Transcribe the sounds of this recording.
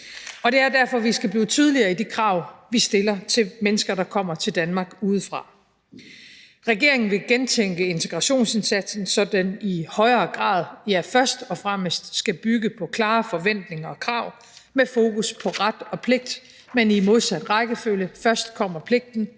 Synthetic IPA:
ɒ̽d̥e̝æɐd̥æɐfɒ̽ʋisɡ̥æb̥liːt͡sʰyːð̞ˠliɐːid̥ikʰʁɑ̈ʊʋisd̥e̝lɐt͡sʰe̝lmenəsɡ̥ɐɾ̥ɑ̈kʰɒ̽m̰ɐt͡sʰe̝ld̥ænmɑ̈ːɡ̥uːð̞ˠfʁɑ̈ | ʁɛɡ̥e̝ɐ̰e̝ŋn̩ʋe̝ɡ̥ent͡sʰeŋ̰ɡ̥əe̝nt͡sʰe̝ɡ̥ʁɑ̈ɕo̝̰ːnse̝nsæd̥sn̩sɒ̽d̥ænihɒ̽ɪɐːɡ̥ʁɑ̰̈ːð̞ˠjæfɶɐsd̥ɒ̽fʁɑməsd̥sɡ̥æb̥yɡ̥əpʰɒ̽kʰlɑ̈ːfɒ̽ʋen̰d̥ne̝ŋɐɒ̽kʰʁɑ̈ʊ̰ | mefo̝ːkʰuspʰɒ̽ʁad̥ɒ̽pʰle̝ɡ̥̚d̥ | menimo̝ðˠsæd̥ʁɑɪɡ̥əføljəfɶɐsd̥kʰɒ̽m̰ɐpʰle̝ɡ̥̚d̥n̩

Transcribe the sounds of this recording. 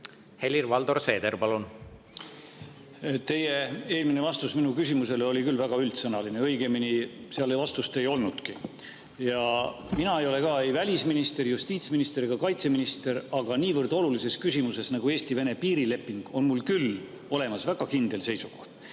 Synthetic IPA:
he̞lirvɑld̪orse̞ːd̪eɾpɑlun | t̪e̞je̞e̞ːlmine̞vɑst̪usminukysimuse̞lo̞lʲikylvæɡ̥ɑylt̪sɤnɑlineɤ̞jɡeminiseɑlevɑst̪ust̪e̞jo̞lnud̪̥ki | jɑ | minɑejo̞le̞kɑːejvælʲisminist̪e̞rjust̪iːt̪sminist̪e̞ɾiɡ̥ɑkɑjt̪se̞minist̪e̞ɾɑɡ̥ɑniːvɤrd̪̥o̞lulise̞skysimuse̞snɑɡ̥ue̞ːsʲt̪ive̞ne̞piːɾile̞pːˑiŋɡ̥o̞nmulkyl | o̞le̞mɑsvæɡ̥ɑkind̪̥e̞lse̞jsuɡ̥o̞ht̪̚

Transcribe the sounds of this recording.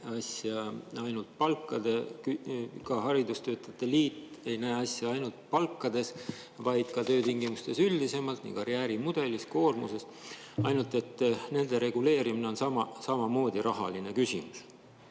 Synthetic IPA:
ɑsjɑɑjnult̪̚pɑlkˑːɑd̪̥e̞kykɑɦɑɾid̪̥ust̪ø̞ːt̪ːˑɑt̪ːˑe̞liːt̪ːˑe̞jnæːɑsjɑɑjnult̪̚pɑlkːˑɑd̪e̞s | vɑjd̪̥kɑt̪ø̞ːt̪iŋɡimust̪e̞syld̪ise̞mɑlt̪nḭkɑɾiæːɾimud̪̥e̞lisko̞ːrmṵse̞s | ɑjnult̪ˑe̞t̪ːne̞nd̪e̞ɾe̞ɡ̥ule̞ːɾimine̞o̞nsɑmɑsɑmɑmo̞ːd̪̥ʲiɾɑɦɑ̰line̞kysʲimus

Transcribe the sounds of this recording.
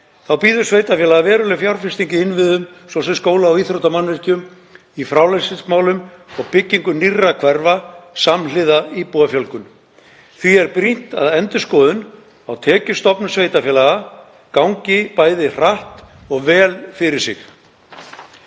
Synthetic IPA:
θawpiːðʏ̥sveːjt̪afjɛːlaɣavɛːɾʏlɪfjawɾfɪst̪iɲcɪɪnvɪðʏmsɔsɛmskoːwlaːwiθɾowt̪amanvɛr̥cʏm | ifɾawlansɪsmaːwlʏmɔɣpɪcːiŋkʏnirːakʰvɛɾvasamlɪðaipuːafjœlkʏm | θviɛɾpɾin̥t̪a̰ðɛnt̪ʏskɔːðʏn | awt̪ʰɛːcʏ̥st̪ɔpnʏsvejt̪afjɛːlaɣa | kawŋcɪpaːjðɪr̥aht̪ | ɔɣvɛːlfɪɾɪɾ̥sɪ̰x

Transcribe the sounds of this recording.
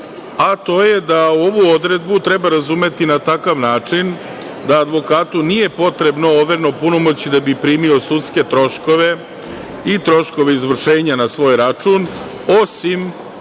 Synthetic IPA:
at̪o̞ːjed̪auoʋuo̞d̪ɾe̞d̪but̪ɾe̞baɾazume̞t̪inat̪akaʋnaːt͡ʂin | d̪aːd̪ʋo̞kaːt̪unije̞po̞t̪ɾe̞bno̞oʋeɾno̞punomo̞t͡ɕid̪abipɾiːmio̞sut̪ske̞t̪ɾo̞ʃko̞ʋe̞ | it̪ɾo̞ʃko̞ʋe̞izʋr̩ʃe̞ːɲanasʋo̞ːjɾat͡ʂun | o̞sim

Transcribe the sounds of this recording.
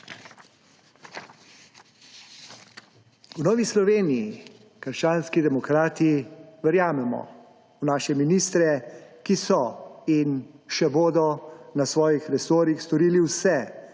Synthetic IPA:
wnɔːʋislɔʋeːniji | kəɾʃt͡ʃaːnskid̪ɛmɔkɾaːt̪iʋɛɾjaːmɛmɔ̰ | wnaːʃɛminiːst̪ɾɛkisɔinʃɛboːd̪ɔnasʋɔːjixɾɛsoːɾixst̪ɔɾiːliwsɛ

